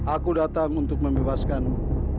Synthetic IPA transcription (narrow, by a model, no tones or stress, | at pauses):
ʔakudat̪aŋunt̪ʊk̚məmbebaskan